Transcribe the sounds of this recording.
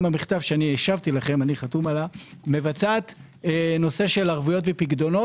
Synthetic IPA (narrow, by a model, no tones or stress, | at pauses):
mamiχt̪avʃeanieʃavt̪ilaχe̞maniχat̪umalame̞vat͡saːt̪ | no̞se̞ʃe̞laʁvujo̞t̪vepiɡd̪o̞no̞